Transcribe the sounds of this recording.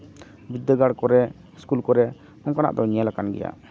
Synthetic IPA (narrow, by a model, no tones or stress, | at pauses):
bid̪əɡaɽkɔɾɛ | skulkɔɾɛ | mɔŋkana̰ʔd̪ɔɲijalakanɡɛ̰ja̰